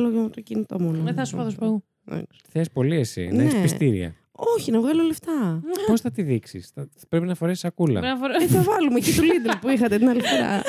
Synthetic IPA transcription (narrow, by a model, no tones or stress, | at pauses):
loʝomt̪ocinit̪omonoeθɐsopɐðospɐɣu | ðɐ̰ksθespo̞liesḭneesist̪iɾḭɐ̰ | oçinɐvɣɐloleft̪ɐpo̞sθɐt̪iðiksḭsθɐ | pɾepinɐfo̞ɾesi̥sɐkulɐ̰nɐfoɾeθɐvɐlumecit̪ulid̪elpuixɐt̪et̪inɐlifiɾɐ̰